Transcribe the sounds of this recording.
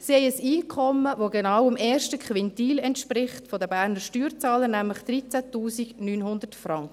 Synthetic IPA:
sihɛɪəsiːkʰɔmːəvoɡenɑwəmɛːɾʃtəkχʋɛntiːlɛntʃpɾɪχtfodəbæːɾnəɾʃtyːɾt͡sɑːlənæmləχd̥ɾit͡sætuːsiɡnyːnɦʊnd̪ətfrɑŋk

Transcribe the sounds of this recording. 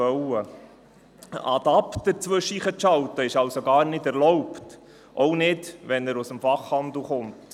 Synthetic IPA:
œwə | ɑ̰d̪ɑptəɾt͡sʋɵʃiːχəʃɑwt̪əɪʃɑlsoɡɑːɾnɪdɛɾlɔwpt | ʔɔwnɪdʋɛnəɾusəmfɑχhɑnd̪l̩χʊmt

